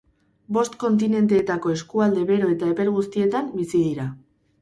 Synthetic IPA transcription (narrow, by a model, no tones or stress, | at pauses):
bo̞st̪ko̞nt̪̬ine̞nt̪e̞ːt̪ako̞e̞skuald̪e̞βe̞ɾo̞e̞t̪ae̞pe̞ɾɣ̞ust̪ie̞t̪ambisiðiɾa